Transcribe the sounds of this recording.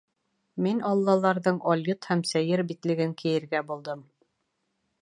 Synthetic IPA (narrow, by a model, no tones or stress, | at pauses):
minɑlˠːɑlˠɑɾðɤɴɒlʲjɤt̪hæmsæjɘɾbit̪lɘ̆ɡɘŋkʰɘ̆jɘ̆ɾɡæbulˠd̪ɤm